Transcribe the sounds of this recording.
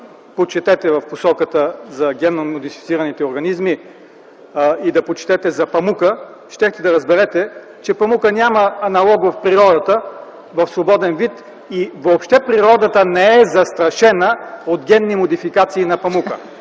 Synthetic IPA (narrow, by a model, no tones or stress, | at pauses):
pot͡ʃɛt̪ɛt̪ɛvɐfposɔkət̪əzɐɡʲɛnomod̪ifit̪siɾɐnit̪ɛoɾɡɐnizmi | id̪ɐpot͡ʃɛ̥t̪ɛt̪ɛzɐpɐmukə | ʃt̪ɛxt̪ɛd̪ɐɾɐzbɛɾɛt̪ɛ | t͡ʃɛpɐmukənʲaməːnɐlˠɔɡvɐfpɾiɾɔd̪ət̪ə | vɐfsvobɔd̪ɛnvit̪ | ivoːpʃt̪ɛpɾiɾɔd̪ət̪ənɛɛzɐst̪ɾɐʃɛnəotd̪ɡʲɛnːimod̪ifikat̪siːnɐpɐmukə̰